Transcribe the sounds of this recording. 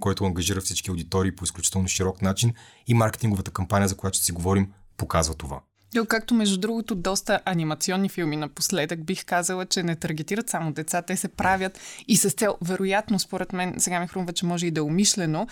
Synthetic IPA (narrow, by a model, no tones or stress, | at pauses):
kɔjt̪ʊɐŋɡɐʒiɾəfsit͡ʃkiɐʊd̪it̪ɔɾiːpoisklʲut͡ʃi̥t̪ɛlˠnʊʃiɾɔknat͡ʃin | imaɾkɛ̥t̪iŋɡovət̪əkɐmpanʲijəzɐkojat̪o̥siɡovɔɾimpokazvɐt̪ova̰ | nokak̚t̪omɛʒd̪ud̪ɾuɡot̪od̪ɔst̪əʔɐnimɐt̪siɔnːifilˠminɐposlɛd̪əɡ̚bixkazəlˠət͡ʃɛnɛt̪ɐɾɡɛt̪iɾət̪samod̪ɛt̪sat̪ɛsɛpɾavʲjət̪isɐst̪sɛlˠvɛɾojat̪nospoɾɛt̪mɛnsɛɡamixɾumvət͡ʃɛmɔʒɛid̪ɐomiʃlɛno